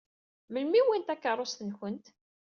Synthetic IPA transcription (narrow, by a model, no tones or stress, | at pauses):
məlmiwint̪ækːərˤːost̪ənçənt̪